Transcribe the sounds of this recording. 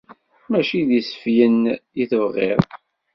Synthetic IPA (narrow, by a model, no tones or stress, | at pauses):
mæʃiðisə̥fjənjiθəvʁɪðˤ